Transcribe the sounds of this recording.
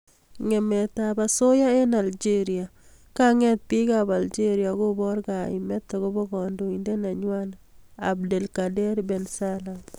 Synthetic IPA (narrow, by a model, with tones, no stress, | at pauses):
ŋɛ˨mɛta˨ba˨so˦ja˦e˦na˨ld͡ʒe˦ɾia˨ | ka˦ŋɛ˦t̪̚pi˦ka˨ba˨ld͡ʒe˦ɾia˨˦ɡo˦bɔ˦ɾɡa˨ɪ̰˨mɛ˦tːɔ˨ɡo˦bɔ˦ɡɔ˨ndo˨i˨nde˦na˨ɲwa˦na̰b̚de˨lkade˦ɾbɛ˨nsala˨